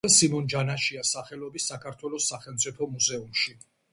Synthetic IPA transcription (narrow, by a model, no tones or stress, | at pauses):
ɛsimɔnd͡ʒanaʃiasaχɛlɔbisːakʰaɾt̪ʰwɛlɔsːaχɛlmt̪sʼipʰɔmuzɛumʃi